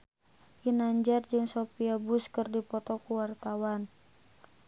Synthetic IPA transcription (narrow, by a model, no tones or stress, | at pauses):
jinaɲd͡ʒard͡ʒɨŋsopiabʊskɨrdipɔt̪ɔkuwart̪awan